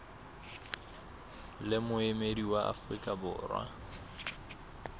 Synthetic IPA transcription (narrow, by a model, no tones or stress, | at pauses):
lɪmʊɪmediwaʔa̰frikʼabʊ̰ːrwa̰